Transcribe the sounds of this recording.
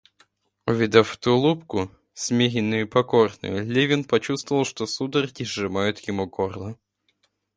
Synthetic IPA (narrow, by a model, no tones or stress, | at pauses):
ʊvʲɪd̪ɐft̪ulˠupkʊ | sʲmʲeɣʲɪnːʊjʊpɐkornʊ̰jʊlʲevʲɪnpɐt͡ɕust̪vəvəlˠʂt̪osud̪ərkʲɪʐɨmajʊt̪jɪmukorlˠə